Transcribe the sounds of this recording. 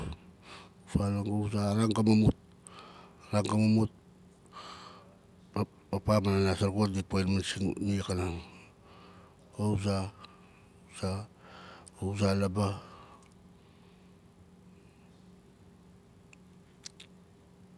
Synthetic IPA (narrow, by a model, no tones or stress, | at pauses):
falaŋɡawsaɾaŋɡamamut̚ | aɾaŋɡamamut̚ | apamananasaɾkotɡipojnmansiŋnikanaŋ | kawsa | sa | owsalaba